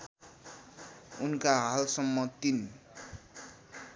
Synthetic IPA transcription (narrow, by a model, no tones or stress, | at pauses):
unkaɦalsʌmːʌt̪in